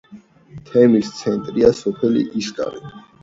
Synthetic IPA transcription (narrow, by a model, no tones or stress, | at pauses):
t̪ʰɛmist̪sʰɛnt̪ʼɾiasɔpʰɛlḭʔiskʼa̰ɾḭ